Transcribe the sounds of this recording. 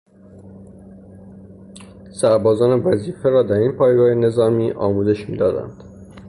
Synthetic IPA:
sæɾbɒːzɒːne̞væziːfeɾɒːd̪æɾinpʰɒːjɡɒːhene̞zɒːmiːʔɒːmuːze̞ʃmḭːd̪ɒːd̪æ̰nd̪̥

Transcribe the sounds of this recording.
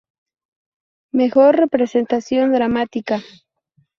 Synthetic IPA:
mexoɾːepɾesent̪asjond̪ɾamat̪ika

